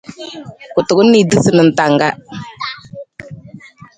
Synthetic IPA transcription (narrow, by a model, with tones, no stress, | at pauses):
kʊ˨tʊ˨kʊ˦nː˦i˨dɨ˦sɨ˨nə˨n̩˨ta˨ŋɡa˦